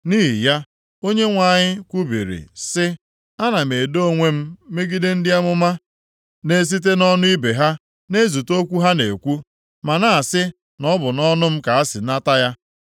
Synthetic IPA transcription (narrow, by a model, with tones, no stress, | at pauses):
niː˦ɦḭ˨ja˦ | o˦ɲe˦ŋʷa˨ɲɪ˦kʷu˦bḭ˨ɾḭ˨sɪ˦ | a˦na˨me˨do˦˨ŋʷe˦m̩˦me˦ɡi˦dɪ˦n̩˦dɪ˦a˦mʊ˦ma˦ | ne˦s̬i˦t̬e˦nɔ˦nʊ˦i˦be˨ɦa˦ | ne˦zu˨to˦kʷu˦ɦa˦ne˨kʷu˦ | ma˨na˨a˨sɪ˦ | nɔ˦bʊ˨nɔ˦nʊ˦m̩˦ka˨a˦sɪ˨na˦ta˦ja˦